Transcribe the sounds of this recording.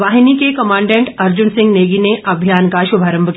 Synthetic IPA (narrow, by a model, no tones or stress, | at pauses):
ʋaːɦinikekɐmãːɳɖẽɳʈɐɾd͡ʒʊnsɪ̃ŋɡneːɡineʔɐbʱjaːnkaʃʊbʱaɾə̃mbʱək